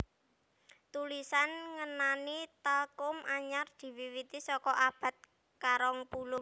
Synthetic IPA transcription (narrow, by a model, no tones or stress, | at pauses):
t̪ulisanŋənanit̪əlkʊmaɲard̪̥i̤wiwit̪isɔkɔʔab̥a̤t̪̚ | kaɾɔŋpulʊ